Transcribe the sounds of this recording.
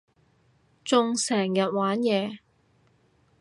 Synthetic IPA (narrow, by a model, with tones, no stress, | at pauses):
t͡sʊ˨˧ŋsɛː˨˩ŋjɐ˨t̚waː˨˥njɛː˨˧